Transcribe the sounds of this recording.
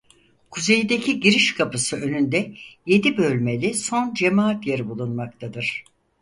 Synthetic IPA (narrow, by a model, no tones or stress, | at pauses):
kʰuze̞jid̪e̞cʰiɟiɾiʃkʰapɯsɯø̞nynd̪ɛje̞d̪ibø̞lʲme̞lʲiso̞nd͡ʒe̞maːat̪jeɾibulˠunmakt̪ʰad̪ɯɾ̥